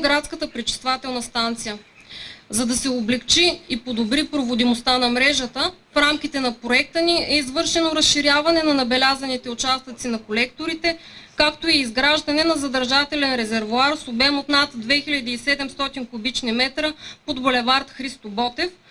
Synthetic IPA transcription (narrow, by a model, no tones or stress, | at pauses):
ɡɾat̪skət̪əpɾit͡ʃi̥st̪vat̪ɛlˠnɐst̪ant̪sijə | zɐd̪ɐsɛoblɛkt͡ʃiːpod̪obɾipɾovod̪imost̪anɐmɾɛʒət̪əfɾamk̟ʲit̪ɛnɐpɾoɛk̚t̪əniɛizvɤɾʃɛnoɾɐsʃiɾʲjavɐnɛnɐnɐbɛlʲazɐnit̪ɛʊt͡ʃast̪ət̪sinɐkolɛkt̪oɾit̪ɛkakt̪oiːzɡɾaʒd̪ɐnɛnɐzɐd̪ɐɾʒat̪ɛlɛnɾɛzɛɾvʊaɾsobɛmot̪nat̪d̪vɛxiʎʲɐd̪iːsɛd̪ɛmst̪ɔt̪inkʊbit͡ʃnimɛt̪ɾəpod̪bolɛvaɾt̪xɾist̪obɔt̪ɛf